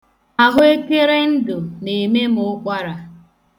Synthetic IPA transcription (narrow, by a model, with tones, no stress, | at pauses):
a˦ɦʊ˦e˦ke˦ɾe˦n̩˦dʊ˨ne˨me˦m̩ʊ˦k͡pʷa˦ɾa˨